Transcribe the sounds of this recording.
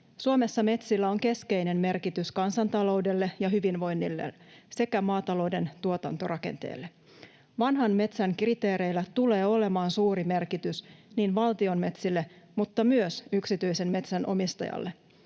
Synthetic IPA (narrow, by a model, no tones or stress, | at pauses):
suomesːɑme̞t̪silːæo̞ŋke̞ske̞jne̞nme̞rkit̪yskɑnsɑnt̪ɑlo̞wde̞lːe̞jɑɦyʋinʋo̞jnːilːḛse̞kæmɑːt̪ɑlo̞wde̞nt̪uot̪ɑnt̪orɑke̞̰nt̪ḛːlːe̞ | ʋɑnɦɑnme̞t̪sæŋkrit̪e̞ːɾe̞jlːæt̪ule̞ːo̞le̞mɑːnsuːɾime̞rkit̪ysniːnʋɑlt̪io̞nme̞t̪silːemut̪ːɑmyøsyksit̪yjse̞nme̞t̪sænʔo̞̰mist̪ɑ̰jɑ̰lːe